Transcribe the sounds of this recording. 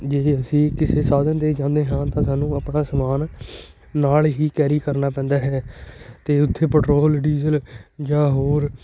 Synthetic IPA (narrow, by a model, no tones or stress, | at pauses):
d͡ʒeːəsĩːkɪseːsaːd̪ənd̪eːd͡ʒãːnd̪eːɦãːt̪ãːsaːnũːəpnaːsəmaːnː | aːlɦiːkɛːɾiːkəɾnaːpɛ̃ːnd̪aːɦɛːt̪eːʊt̪ʰːeːpəʈɾoːlɖiːzəld͡ʒãːɦoːɾ